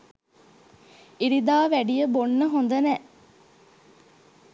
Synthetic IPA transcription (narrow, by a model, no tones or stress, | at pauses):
iɾid̪aːʋæɖijəbonːəɦond̪ɐnɛʔ